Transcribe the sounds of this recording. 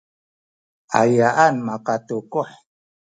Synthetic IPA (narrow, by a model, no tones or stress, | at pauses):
ʔa̰jaʔanmaqatukuħ